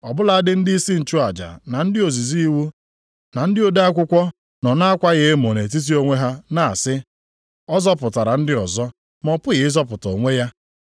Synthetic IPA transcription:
ɔ˨bʊ˦la˨a˦dɪ˦n̩˦dɪ˦i˦si˦n̩˨t͡ʃu˦a˨d͡ʒa̰˨na˨n̩˦dɪ˦o˨zi˨zi˦i˦wu˦ | na˨n̩˦dɪ˦o˦de˦a˦kʷʊ˦kʷɔ˦ | nɔ˨na˦a˦kʷa˦ɣe˦mo˨ne˨t̬i˦t̬i˦o˦ŋʷe˦ɦa˦na˨sɪ˦ | ɔ˦zɔ˦pʊ˨ta˨ɾa˨n̩˦dɪ˦ɔ˨zɔ˦ | mɔ˨pʊ˦ɣɪ˨ɪ˦zɔ˦pʊ˨to˨ŋʷe˦ja˦

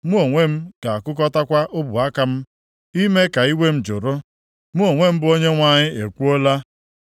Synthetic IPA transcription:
mu˦o˨ŋʷe˦m̩˦ka˨a˨kʊ˦k̬ɔ˦ta˦kʷa˦ʔʊ˦bʊ˨a˦ka˦m̩˦ | i˦me˦ka˨i˦we˦m̩˦d͡ʒʊ˨ɾo˦ | mu˦o˨ŋʷe˦m̩˦bʊ˨o˦ɲe˦ŋʷa˨ɲɪ˦e˨kʷu˦o˦la˦

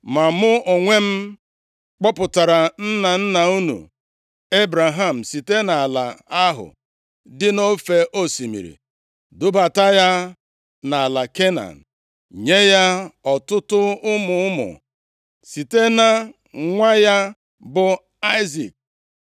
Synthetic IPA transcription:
ma˨mʊ˦o˨ŋʷe˦m̩˦ | k͡pɔ˦pʊ˨ta˨ɾa˨n̩˦na˨n̩˦na˨u˦nṵ˨ | e˦bɾa˨ɦa˦˨m̩˨si˨te˦na˨a˨la̰˨a˦ɦʊ̰˨ | dɪ˦no˦fe˨ʔo˦si˨mḭ˨ɾḭ˨ | dʊ˦ba˨ta˦ja˦ | na˨a˨la˨ke˦na̰˨n̩˨ | ɲe˦ja˦ɔ˨tʊ˦tʊ˦ʊ˦mʊ˨ʊ˦mʊ̰˨ | si˨te˦na˨ | ŋʷa˦ja˦ | bʊ˨ | a˦ɪ˦zḭ˨k̚

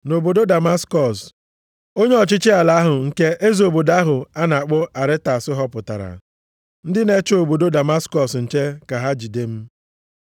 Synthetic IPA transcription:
no˨bo˨do˦da˨ma˦skɔ˨s | o˦ɲe˦ɔ˨t͡ʃɪ˦t͡ʃɪ˦a˨la˨a˦ɦʊ˨ŋ̩˦ke˦ʔe˦zo˨bo˨da˦ɦʊ˨a˦na˨k͡pʊ˦ʔa˨ɾɪ˦ta˨sɪ˦ɦɔ˦pʊ˨ta̰˨ɾa̰˨ | n̩˦dɪ˦ne˦t͡ʃo˨bo˨do˦da˨ma˦skɔ˨sn̩˨t͡ʃe˦ka˨ɦa˦d͡ʒi˨de˦m̩˦

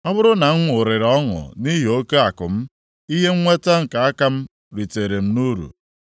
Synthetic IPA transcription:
ɔ˦bʊ˦ɾʊ˦na˨ŋ̩˦ŋʷ˦ʊ˨ɾɪ˨ɾɔ˦ŋʊ̰˨ni˦ɦi˨o˦ke˦a˨kʊ˨m̩˦ | i˦ɦe˦ŋ̩˦ŋʷe˦ta˦ŋ̩˨ka˨a˦ka˦m̩˦ | ɾi˨te˨ɾe˨m̩˦nu˦ɾṵ˨

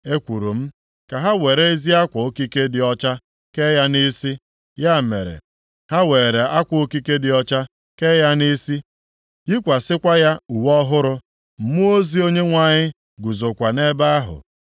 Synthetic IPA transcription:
e˦kʷu˨ɾu˨m̩˦ | ka˨ɦa˦we˨ɾe˦e˦zi˦a˦kʷʊ˨o˦ki˦ke˦dɪ˨ɔ˦t͡ʃa˦ | ke˦ja˦ni˦si˦ | ja˦˨mḛ˨ɾḛ˨ | ha˦we˨ɾe˨a˦kʷo˦ki˦ke˦dɪ˨ɔ˦t͡ʃa˦ | ke˦ja˦ni˦si˦ | ji˦kʷa˨sɪ˦kʷa˦ja˦u˨wɔ˦ɦʊ˦ɾʊ˦ | m̩˦mu˦o˦zi˦o˦ɲe˦ŋʷa˨ɲɪ˦ | ɡu˨zo˨kʷa˨ne˦ba˦a˦ɦʊ̰˨

